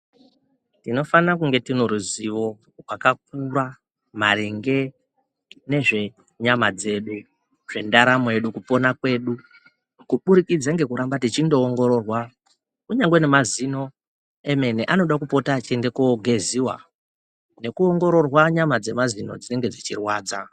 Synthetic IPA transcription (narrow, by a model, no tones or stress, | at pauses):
tino̞fanak̬uŋɡe̞tino̞ɾuziʋo̞ | rwakak̚uɾa | ma̰ɾiŋɡe̞ | ne̞ʐe̞ | ɲamad͡ze̞ɗu | ʐ̥e̞ndaɾamoe̞ɗukupo̞nakwe̞ːɗu | kuɓuɾikid͡zaŋɡe̞kuɾambatit͡ʃindo̞ːŋɡo̞ɾo̞rwa | kuɲaŋɡwenemazino̞ | eme̞neʔano̞ɗakupo̞tat͡ʃende̞koɡʱe̞ziwa̰ | ne̞kuoŋɡo̞ɾo̞rwaɲamad͡ze̞mazinod͡zine̞ŋɡe̞d͡zit͡ʃirwaːd͡za